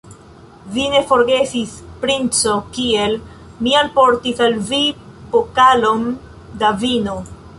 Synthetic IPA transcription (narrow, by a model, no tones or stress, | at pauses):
vine̞fo̞ɾɡe̞sispɾint͡so̞kie̞l | mialpo̞ɾtisalvibokalo̞n | davino